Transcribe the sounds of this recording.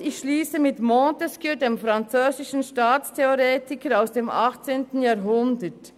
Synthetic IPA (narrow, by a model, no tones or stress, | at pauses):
ɪçʃliːsəmɪtmɔntɛskydeːmfɾɑnt͡søːzɪʃn̩ʃtaːt͡stʰeoɾeːtɪkəɾaʊsd̥eːmʔɑχt͡seːntn̩jɑːɾɦʊndət